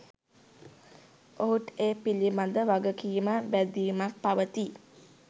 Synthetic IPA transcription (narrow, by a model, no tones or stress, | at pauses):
oɦuʈeːpilimad̪əʋaɡəkijməbæd̪iːmak̚paʋət̪i